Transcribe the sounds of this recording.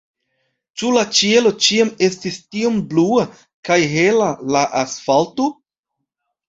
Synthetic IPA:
t͡ʃulat͡ʃie̞lo̞t͡ʃiame̞stistiomblua | kajɦe̞lalaʔasfalto

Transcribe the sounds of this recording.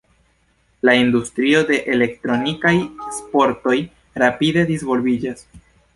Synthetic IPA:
laindustɾio̞de̞ʔele̞ktɾo̞nikajespo̞ɾto̞j | ɾapide̞disvo̞lvid͡ʒas

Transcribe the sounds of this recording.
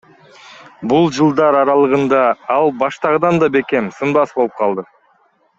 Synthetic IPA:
bulˠd͡ʒɯlˠd̪ɑɾɑɾɑlˠɯʁɯnd̪ɑɑlˠbɑʃt̪ɑʁɯd̪ɑnd̪ɑbe̞ke̞msɯnbɑsboɯp̚qʰɑlˠd̪ɯ

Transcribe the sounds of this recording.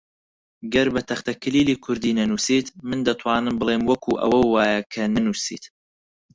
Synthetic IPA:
ɡɐɾbɐt̪ʰɐχt̪ɐkʰɨliːliːkʰʊɾd̪iːnɐnuːsiːt̪mɨnd̪ɐt̪ʰwaːnɨmbɨlˠeːmwɐkʰuʔɐ̰wɐwaːjɐkʰɐnɐnuːsḭːt̪

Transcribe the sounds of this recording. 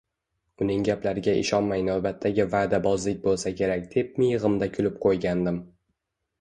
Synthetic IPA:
ʊnɪŋɡʲaplaɾɪɡʲaʔɪ̰ʃɒnmajnawbat̪ʰːaɡʲɪvaːd̪abɒzlɪk̚ʲbolˠsakʲʰe̞ɾak̚ʲd̪̥e̞p̚mɪjʁɨmd̪akʲʰʊlɪp̚qʰojɡʲand̪ɪm

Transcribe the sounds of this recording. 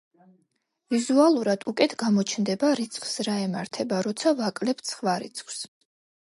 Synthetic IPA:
vizualˠuɾad̪̥ukʼɛt̪ʰɡamɔt͡ʃʰnd̪ɛbaɾit̪sʰʼχʰsɾaɛmaɾt̪ʰɛbaɾɔt̪sʰavakʼlɛp̚ʰt̪sʰχvaɾḭt̪sʰʼχʰʼs

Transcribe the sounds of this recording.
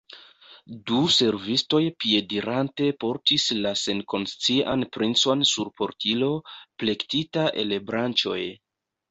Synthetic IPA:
duse̞ɾvisto̞jpie̞diɾante̞po̞ɾtislase̞nko̞nst͡sia̰npɾint͡so̞nsuɾpo̞ɾtʰilo̞ple̞ktitaʔe̞̰lbɾant͡ʃo̞̰j

